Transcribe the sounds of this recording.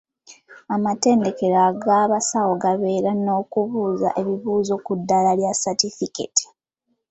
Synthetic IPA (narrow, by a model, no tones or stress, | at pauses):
amate̞ːnde̞ke̞ɾaɡaβasawo̞ɡaβe̞ːɾano̞ːkuβuːza̰ʔe̞βiβuːzo̞kudːalaljasatifikḛti̥